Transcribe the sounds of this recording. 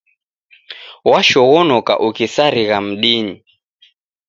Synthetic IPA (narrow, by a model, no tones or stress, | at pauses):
waʃɔɣɔnɔka̰ʔukisaɾiɣam̩ɗini